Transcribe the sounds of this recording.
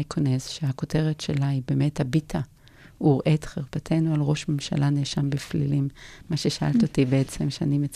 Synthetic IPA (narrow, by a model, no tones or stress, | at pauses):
ikʰonez̥ʃeako̞te̞ʁetʃelaibe̞methabitʰa | uʁʔe̞tχeʁpatʰe̞nualʁo̞ʃmemʃa̰lʔaneʃambiflḭlimːaʃeʃaʔa̰lto̞tibeet͡semʃea̰nimet͡s